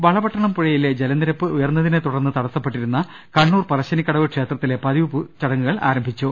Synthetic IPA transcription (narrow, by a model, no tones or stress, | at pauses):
ʋɐɭɐbɐʈːɐɳɐmpuɻɐjiled͡ʑelɐnd̪iɾɐpːɨʔujɐrnːɐðinet̪uɽɐrnːɨt̪ɐɽɐsːɐpːe̞ʈːiɾunːɐ | kɐɳːuːrpɐrɐɕɐnikʲːɐɽɐʋɨkʂe̞ːt̪rɐt̪ːile̞pɐðiʋuput͡ɕɐɽɐŋːuɣɐɭa̰ːɾɐmbʱit͡ɕːu